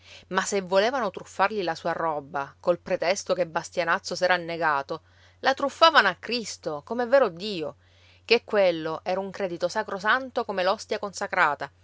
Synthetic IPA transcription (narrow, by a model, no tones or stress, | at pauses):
masevːoleːvanot̪ɾufːarʎilasuːaɾɔbakolpɾet̪ɛst̪okebːast̪janat̪sːosɛːɾaːnːeɡaːt̪o | lat̪ɾufːaːvanoakːɾist̪okomevːɛːɾod̪iːo | k̟ekːwelːoʔɛːɾauŋkɾɛːd̪it̪osakɾosant̪okomelɔst̪jakonsakɾaːt̪a